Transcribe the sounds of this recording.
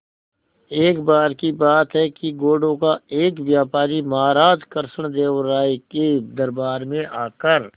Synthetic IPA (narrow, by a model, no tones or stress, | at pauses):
eːkbaːɾkibaːt̪ɦɛkiɡoːɖõkaeːkʋjaːpaːɾimaːɾaːd͡ʒkəɾsəɽ̃d̪eːʋɾaːeked̪ɐɾbaːɾmẽʔaːkəɾ